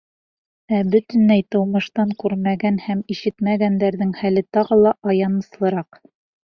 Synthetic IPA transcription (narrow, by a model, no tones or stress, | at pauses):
æbɵt̪ɘ̆nlæjt̪ɤ̆wmɤ̆ʃt̪ɑŋkʉɾmæɡænhæmiʃɘt̪mæɡænd̪æɾðɘŋhælɘt̪ɑʁɤlˠɑʔɑjɑnɤ̆slˠɤ̆ɾɑq